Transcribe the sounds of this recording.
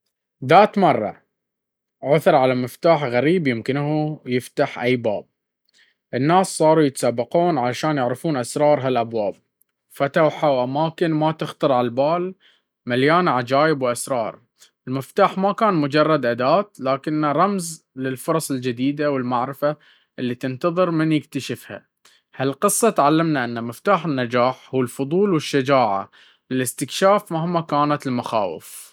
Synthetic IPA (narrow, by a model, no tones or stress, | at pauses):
ðaːt̪mɑrˤːɑ̰ | ʕʊθɾˤʕalamɪft̪aːħɣaɾiːbjɪmkɪnɦujɪft̪aħʔajːba̰ːb̚ | ʔɪnːaːsːˤɑːɾˤujɪt̪ḁsabːɪquːnʕalaʃaːnjɪʕɾɪfuːnʔasɾˤɑːɾˤɦalʔabwaːb̚ | fat̪awħawʔamaːkɪnmat̪ɪxt̪ɑɾˤʕalbaːl | maljaːnʕad͡ʒaːjɪbwʔasɾˤɑːɾˤ | ʔɪlmɪft̪aːħmakaːnmʊd͡ʒɑrˤːɑd̪ʔad̪aːt̪laːkɪnːaɾˤɑmz | lɪlfʊɾˤɑsˤɪld͡ʒɪd̪iːd̪awɪlmaʕɾɪfa | ʔɪlːit̪ɪnt̪ɑðˤɨɾmɪnjɪkt̪aʃɪfha̰ | halqɨsˤːɑt̪ʕalːɪmnaʔɪnːamɪft̪aːħɪnːad͡ʒaːħhuːɪlfʊðˤuːlwɪʃːad͡ʒaːʕa̰ | lɪlɪst̪ɪkʃaːfmahmakaːnat̪ɪlmaxa̰ːwɪ̰f